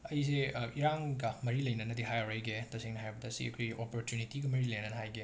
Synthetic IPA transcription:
ɐjseiɾaŋɡɐmɐɾilɐjnɐnɐdiɦajawɾɐjɡetɐseŋnɐɦajbɐdɐsḭɐ̰kʰojʔopoɾtjunitiɡɐmɐɾilɐjnɐnɐɦajɡe

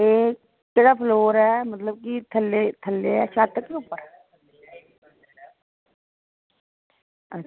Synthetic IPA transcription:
eːkː | eɽaːpʰloːɾɦɛmət̪ləb̚kit̪ʰəlːet̪ʰəlːeɛʃaːt̪ːəkːeupːəɾ | ə

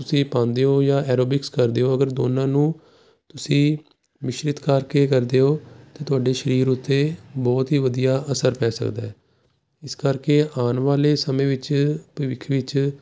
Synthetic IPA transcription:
t̪ʊsĩːpãːnd̪eːɦoːjãːɛːɾoːbɪkskəɾd̪eːɦoːəɡəɾd̪oːnãːnũː | t̪ʊsĩː | ʋɪʃɾɪt̪kaːɾkeːkəɾd̪eːɦoːt̪eːt̪ʊaːɖeːʃəɾiːɾʊt̪ːeːbɔːt̪ɦiːʋəd̪ijaːʔəsəɾpɛːsə̰kd̪aːɛː | ɪskəɾkeːʔaːnʋaːleːsəmẽːʋɪt͡ʃpəʋɪkʰʋɪt͡ʃ

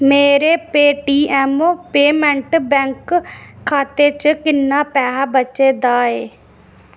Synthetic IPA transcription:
meːɾeːpeːʈiːɛːmoːpeːmɛ̃ɳʈbɛ̃ːŋkʰː | aːt̪eːt͡ʃkɪnːaːpɛːɦabət͡ʃeːd̪aːeː

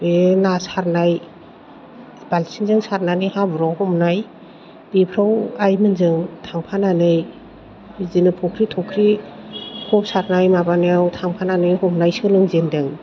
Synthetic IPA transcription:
benasaɾnaj | balsiŋzɯŋsaɾnanihabɾawhɔmnaj | bepʰɾawajmɯnzɯŋtʰaŋpʰananɯj | zinɯpʰɔkʰɾitʰɔkʰɾi | hʰɔp̚saɾnajmabanijawtʰaŋpʰananɯjhɔmnajsɯlɯŋzendɯŋ

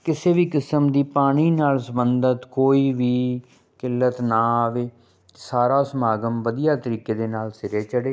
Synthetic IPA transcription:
kɪseːʋiːkɪsəmd̪iːpaːɽ̃iːnaːlsəbənd̪ət̪koːiːʋiː | kɪlːət̪naːaʋeː | saːɾaːsəmaːɡəmʋəd̪ijaːt̪əɾiːkeːd̪eːnaːlsɪɾeːt͡ʃəɽeː

